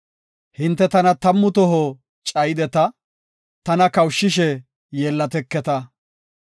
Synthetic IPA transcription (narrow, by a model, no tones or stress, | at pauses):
hɪnt̪ːɛt̪ɐnɐt̪ɐmːʊt̪ɔɦɔ | t͡ʃʼɐjɪd̪ɛt̪ɐ | t̪ɐnɐkɐwʃːɪʃ̬ɛ | jeːlːɐt̪ɛkːɛt̪ɐ